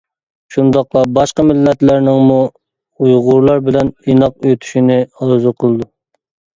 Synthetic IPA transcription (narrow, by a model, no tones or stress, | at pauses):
ʃund̪ɑqlˠɑbɑʃqɑmɪlːɛt̪læɾnɪŋmu | ujʁʊɾlˠɑɾbɪlɛninɑqøt̪ʰy̥ʃinɪɑlˠzɨqʰəlˠɨd̪u